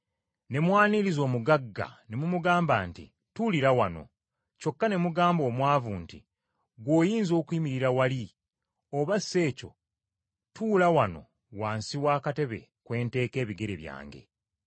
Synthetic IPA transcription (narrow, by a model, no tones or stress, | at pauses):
ne̞mwaːniɾizo̞ːmuɡaɡːa̰ne̞mumuɡaːmbaːntḭ | tuliɾawano̞̰ | co̞kːane̞muɡaːmbo̞ːmwaːvuːnti | ɡwo̞ːjiːnzo̞ːkuimiɾiɾawali | oβasːe̞ːco̞̰ | tuːlawano̞̰ | waːnsiwaːkate̞βe̞̰kwe̞ːnte̞ːke̞ːβiɡe̞ɾe̞βja̰ːŋɡe̞̰